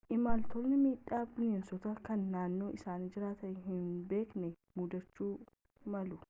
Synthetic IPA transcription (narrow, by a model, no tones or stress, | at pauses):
ʔɪmaːlt̪olnɪmiːᶑːaːbɪleːnsɔt̪ɐkɐnːaːnːo̞ːʔɪsaːniːd͡ʒɪɾaːt̪ɐʔɪɦɪnbe̞ːknɛ | mud̪ɐt͡ʃːuː | mɐlʊ